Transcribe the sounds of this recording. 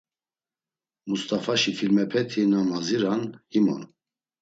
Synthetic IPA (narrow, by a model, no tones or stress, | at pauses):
must̪ʼafaʃifilmɛpʰɛt̪ʰinamaziɾanhimɔ̰n